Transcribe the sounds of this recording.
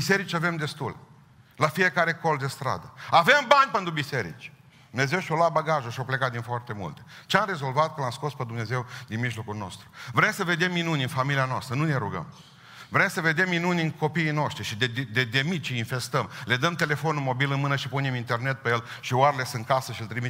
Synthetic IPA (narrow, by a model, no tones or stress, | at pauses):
bise̞ɾit͡ʃʲave̞md̪e̞st̪ul | lafije̞kaɾe̞ko̞ld̪e̞st̪ɾa̰d̪əave̞mbanʲpent̪ɾubise̞ɾḭt͡ʃʲdddd̪umne̞ze̞wʃiolabaɡaʒuʃiawplekat̪̚d̪infoart̪e̞mṵlt̪e̥t͡ʃeamɾe̞zo̞lvat̪̚kəlamsko̞sped̪umne̞ze̞wd̪inmiʒlo̞kulno̞̰st̪ɾuvɾemsəve̞d̪e̞mːinunʲɨnfamilianoa̰st̪ɾənune̞ɾuɡə̰m | vɾe̞msəve̞d̪e̞mːinunʲɨnko̞piːno̞ʃt̪ɾiʃid̪ed̪ed̪ed̪e̞mit̪̚t͡ʃeinfe̞st̪əmle̞d̪əmt̪e̞le̞fonulmo̞bilɨnmɨnəʃipunemint̪e̞rne̞t̪̚pe̞jelʃioaɾele̞sɨnt̪̚kasəʃiɨlt̪ɾimit̪